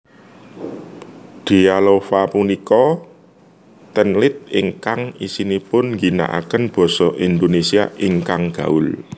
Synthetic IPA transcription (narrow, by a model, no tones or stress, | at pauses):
d̪̥i̤alofapunikɔ | t̪ənlɪt̪̚ɪŋkaŋisinipʊnŋɡina̰ʔa̰kənb̥ɔ̤sɔʔind̪onesiaʔiŋkaŋɡ̥ä̤ʊl